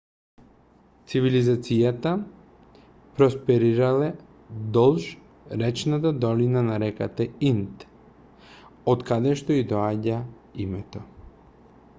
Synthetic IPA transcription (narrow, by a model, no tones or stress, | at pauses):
t̪sivilizat̪sijat̪a | pɾɔspɛɾiɾalɛ | d̪ɔlˠʃ | ɾɛt͡ʃnat̪̬ad̪ɔlinanaɾɛka̰t̪ɛint̪ | ot̪kad̪ɛʃt̪ɔid̪ɔaɟa | imɛt̪ɔ